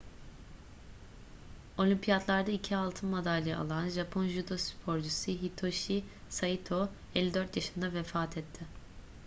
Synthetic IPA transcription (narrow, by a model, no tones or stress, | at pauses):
o̞lʲimpʰijat̪lˠaɾd̪aicʰialˠt̪ʰɯnmad̪alʲːia̰lˠanʒapʰonʒyd̪ospʰo̞ɾd͡ʒusɯɦit̪ʰo̞ʃisait̪ʰo̞ | elʲːid̪øɾt̪jaʃɯnd̪avefaːt̪ʰɛt̪ʰːɪ